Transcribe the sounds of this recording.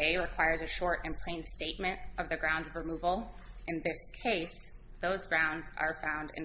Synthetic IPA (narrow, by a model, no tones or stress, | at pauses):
eɪɹɨkʰw̥aɪə˞zɨʃɔɹɾɨ̃npʰl̥ẽɪ̃nsteɪt̚mɨ̃ntʌvðɨɡɹãʊ̃ndzʌvɹɨmuvl̩ˠ | ʔɨ̃nðɪskʰeɪs | ðoʊzɡɹãʊ̃ndzə̰˞fãʊ̃ndɨ̰̃n